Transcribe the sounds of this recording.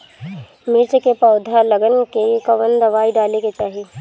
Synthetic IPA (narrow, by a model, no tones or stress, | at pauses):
mɪɾt͡ʃkepɔːd̪ʱalɐɡənkekɐʋənd̪ɐʋaːiɖaːleket͡ʃaːɦeː